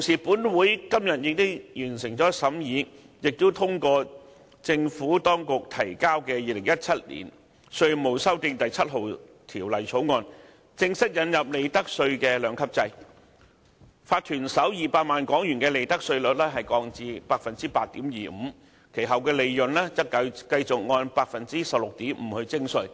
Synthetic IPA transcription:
t̪wsiː˨˩puː˨˥nwuː˨˥jkɐ˥mjɐ˨t̚jɪ˨k̚t̪ʊ˥jyː˨˩nsɪ˨˩ŋt͡sɔː˨˥sɐ˨˥mjiː˨˥ | jɪ˨k̚t̪o˥wt̪ʰʊ˥ŋkɔː˧ | t͡sɪ˧ŋfuː˨˥t̪ɔː˥ŋkʊ˨k̚t̪ʰɐ˨˩jkaː˥wkɛː˧jiː˨lɪ˨˩ŋjɐ˥t̚t͡sʰɐ˥t̚lḭ˨˩n | sɵ˧ɥmo˨˧wsɐ˥wt̪ɪ˧ŋt̪ɐ˨jt͡sʰɐ˥t̚ɦo˨wt̪ʰiː˨˩wlɐ˨˩jt͡sʰo˨˥wŋɔː˧n | t͡sɪ˧ŋsɐ˥t̚jɐ˨˧njɐ˨p̚le˨˧jt̪ɐ˥k̚sɵ˧ɥkɛː˧lœː˨˥ŋkʰɐ˥p̚t͡sɐ˧j | faː˧t̚t̪ʰyː˨˩nsɐ˨˥wjiː˨paː˧t̚maː˨nkɔː˨˥ŋjyː˨˩nkɛː˧le˨jt̪ɐ˥k̚sɵ˧ɥlɵ˨t̚lɛː˥ɦɐ˨jkɔː˧ŋt͡siː˨˧paː˧k̚fɐ˨nt͡siː˥paː˧t̚t̪iː˨˥mjiː˨m̩ː˨˧ | kʰe˨˩jɦɐ˨wkɛː˧le˨˧jjɵ˨nlɛː˥t͡sɐ˥kɐ˧kɐ˧jt͡sʊ˨k̚ŋɔː˧npaː˧k̚fɐ˨nt͡siː˥sɐ˨p̚lʊ˨k̚t̪iː˨˥mm̩˨˩hɵ˧ɥt͡sɪ˥ŋsɵ˧ɥ

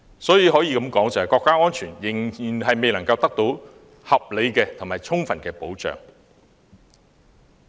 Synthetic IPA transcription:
sɔː˨˥jiː˨ɦɔː˨˥jiː˨˧kɐ˨˥mkɔː˨˥ŋt͡sɐ˨whɐ˨˩jkɔː˧kːaː˥ŋɔː˥nt͡ʃʰyː˨˩njɪ˨˩ŋiː˨˩nɦɐ˨jme˨jlɐ˨˩ŋkɐ˧wt̪ɐ˥k̚t̪o˨˥w | hɐ˨p̚le˨˧jkɛː˧t̪ʰʊ˨˩maː˨jt͡sʰʊ˥ŋfɐ˨˩nkɛː˧po˨˥wt͡ʃœ̰ː˨ŋ

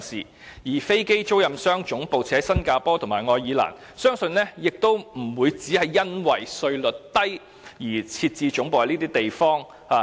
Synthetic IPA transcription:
sḭː˨˩ | jiː˨˩fe˥jke˥jt͡so˥wjɐ˨msœː˥ŋt͡ʃʊ˨˥ŋpo˨wt͡sʰɛː˨˥sɐ˥nkaː˧pɔː˥t̪ʰʊ˨˩ŋmaː˨˩jŋɔː˧jiː˨˧˥la̰ː˨˩n | sœː˥ŋsɵ˧nlɛː˥jɪ˨k̚t̪o˥wm̩˨˩wuː˨˧jt͡siː˨˥hɐ˨jːɐ˥nwɐ˨jsɵ˧ɥlɵ˨t̚t̪ɐ˥j | jiː˨˩t͡sʰiː˧t̚t͡siː˧t͡ʃʊ˨˥ŋpo˨whɐ˨˧niː˥iː˥t̪e˨jfɔː˥ŋ | haː˧˩

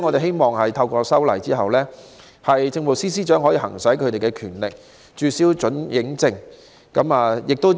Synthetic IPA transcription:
ŋɔ˨˧t̪e˨ɦe˥jmɔː˨˩ŋhɐ˨jt̪ʰɐ˧wkɔː˧sɐ˥wlɐ̰˨˩jt͡siː˥ɦɐ˨wlɛː˥ | hɐ˨jt͡sɪ˧ŋmo˨˩siː˥s̬iː˥t͡ʃœː˨˥ŋɦɔː˨˥jiː˧hɦɐ̰˨˩ŋsɐ˨˥jkʰɵ˨˧t̪e˨jkɛ˧kʰy̰ː˨˩nlɪ̰˨k̚ | t͡ʃyː˨˧siː˨˥wt͡ʃɵ˨˥njɪ˨˥ŋt͡sɪ˧ŋ | kɐ˨˥maː˨jɪ˨k̚t̪o˥

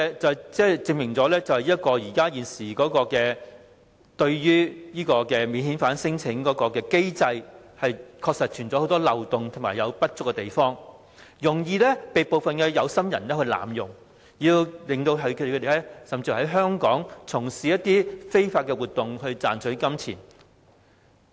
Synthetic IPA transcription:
t͡sɐ˨wt͡sɛː˥˩t͡sɪ˧ŋmɪ˨˩ŋt͡sɔː˨˥lɛː˥t͡sɐ˨whɐ˨jiː˥ɐ˥t̚kɔː˧jiː˨˩kaː˥jiː˨˩nsiː˨˩kɔː˨˥kɔː˧kɛː˧ | t̪ɵ˧ɥjyː˥jiː˥kɔː˧kɛː˧miː˨˧nhi˨˥nfaː˨˥nsɪ˥ŋt͡sʰɪ˨˥ŋkɔː˨˥kɔː˧kɛː˧ke˥jt͡sɐ˧j | hɐ˨jkʰɔː˧k̚sɐ˨t̚t͡ʃʰyː˨˩nt͡sɔː˨˧˥o˧˥wt̪ɔː˥lɐ˨wt̪ʊ˨ŋt̪ʰʊ˨˩maː˨˩jɐ˨˧wpɐ˥t̚t͡sʊ˥kːɛ˧t̪e˨˩jfɔː˥ŋ | jʊ˨˩ŋjiː˧lɛː˥pe˨jpo˨wfɐ˨nkɛː˧jɐ˨˧wsɐ˥mjɐ̰˨˩nlɛː˥hɵ˧ɥla̰ː˨˩mjʊ˨˩ŋ | jiː˧wlɪ˨ŋt̪o˧wɦɐ˨˥kʰd̪e˨˩˧te˨˩lɛ˥sɐ˨˩mt͡si˧˩ɦɐ˨˥jɦœː˥ŋkɔː˨˥ŋt͡sʰʊ˨˩ŋsiː˨˥jɐ˥t̪̚iː˥fe˥jfaː˧t̚kɛ˧wuː˨t̪ːʊ˨ŋhɵ˧ɥt͡sa̰ː˨nsʰɵ˨˥ɥkɐ˥mt͡sʰḭː˨˩n

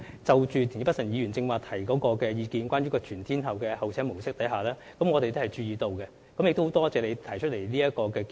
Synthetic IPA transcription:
t͡sɐ˨wt͡ʃyː˨t̪ʰi˨˩i˨˥pɐ˥t̚sɐ˨˩njiː˨˧ɥyː˨˩nt͡sɪ˧ŋwaː˨k̚t̪ʰɐ˨˩jkɔː˨˥kɔː˧kɛː˧jiː˨˧kiː˧nkʷwʷaː˥nɥyː˧˥kɔː˧t͡ʃʰyː˨˩nt̪ʰiː˥nhɐ˨wkɛː˧hɐ˨wt͡sʰɛː˥mo˨˩wsɪ˥k̚t̪ɐ˨˥jɦaː˨˩lɛː˥ | kɐ˨˥mŋɔ˨˧t̪e˨jt̪o˥hɐ˨jt͡ʃyː˧jiː˨˧t̪o˧wkɛ˧ | kɐ˨mɪ˨k̚t̪o˥hwt̪ɔː˥t͡sɛː˨˧le˨˧t̪ʰɐ˨˩jt͡ʃʰɵ˥t̚le˨˩jnliː˥jɐ˥t̚kɔː˧kɛː˧k

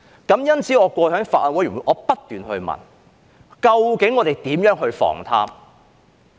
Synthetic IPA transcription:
kɐ˨˥mjɐ˥nt͡sʰiː˨˥ŋɔː˨˧kʷɔː˧hœː˨˥ŋfa̰ː˨tʔɐ˧nwɔ˨˥jy˨˩wu˨˧˩ʔɔː˨˧˥pɐ˥t̚t̪ːyː˨nɦɵ˧ɥmɐ̰˨˩n | kɐ˧wkɪ˨˥ŋːɔː˨˧t̪e˨jt̪iː˨˥mjœː˨˥ŋɦɵ˧ɥfɔ̰ː˨˩ŋt̪ʰa̰ː˥m

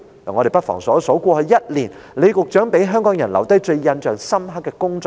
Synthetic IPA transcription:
ɐ˨˩ŋɔ˨˧ɾe˨˩pɐ˥t̚fɔ̰ː˨˩ŋsɔː˨˥so˨˥kʷɔː˧hɵ˨˧jɐ˥t̚liː˨˩nle˨˧jkʊ˨k̚t͡ʃœː˨˥ŋpe˨˥jɦœː˥ŋkɔː˨˥ŋjɐ˨˩nlɐ̰˨˩wt̪ɐ˥jt͡ʃɵ˧ɥjɐ˧nt͡ʃœː˨ŋsɐ˥mɦɐ˥kːɛː˧kʊ˥ŋt͡sɔː˧

